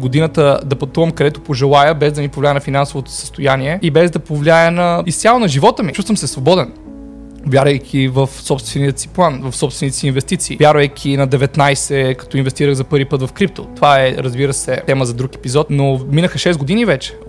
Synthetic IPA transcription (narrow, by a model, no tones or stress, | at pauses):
ɡod̪inət̪əd̪ɐpɐt̪uvɐmkɐd̪ɛt̪opoʒɛlˠajəbɛzd̪ɐnipovlʲajənɐfinansovot̪o̥sə̥st̪ojaniɛibɛzd̪ɐpovlʲajənɐist̪sʲjalˠonɐʒivɔt̪əmit͡ʃust̪vəmsɛsvobɔd̪ɛn | vʲjaɾvɐjkʲʰivɐfsɔpst̪vɛnijət̪si̥plˠanvɐfsɔpst̪vɛnit̪ɛsiːnvɛst̪it̪siːvʲjaɾvɐjkʲʰinɐd̪ɛvɛt̪najsɛkɐ̥t̪ɔinvɛst̪iɾəɣzɐpɤɾvipɤt̪vɐfkɾip̚t̪ot̪ovaɛɾɐzbiɾəsɛt̪ɛməzɐd̪ɾukɛ̥pizɔt̪nominəxəʃɛzɡod̪inivɛt͡ʃɛ̥